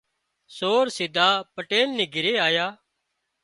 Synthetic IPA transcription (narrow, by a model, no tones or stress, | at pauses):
soːɾsɪd̪ʱaːpəʈeːlneːɡʱɪɾeːaːjaː